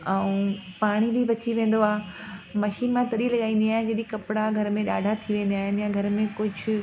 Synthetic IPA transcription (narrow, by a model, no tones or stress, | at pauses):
ɛũːpaːɽ̃ibʱibɐt͡ɕiʋẽːn̆d̪oaːmɐʃiːnmãt̪ɐɗilɐɠaːĩːn̆d̪iaːɦɪ̃nd͡ʑeɗĩkɐpɽaɡʱɐɾmẽɗaːɖʱat̪ʰiʋẽːnd̪ijaːɦɪnjãɡʱɐɾmẽkʊd͡ʑʱʊ̆